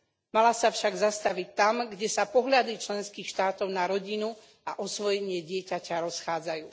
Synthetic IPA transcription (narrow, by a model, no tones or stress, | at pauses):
malasafʃaɡzast̪aʋic̚t̪amɡɟɛsapɔɦʎad̪it͡ʃlɛnskiːxʃt̪aːt̪ɔʊnaɾɔɟinu | aʔɔsʋɔjɛɲɪɛɟɪɛcacaɾɔsxaːd͡zajuː